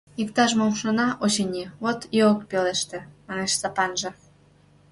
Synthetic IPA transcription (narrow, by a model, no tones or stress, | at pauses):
ikt̪ɑʃmomʃonɑʔot͡ɕenʲiβot̪joəkpeleʃt̪ĕmɑneʃsɑpɑnʒɤ̆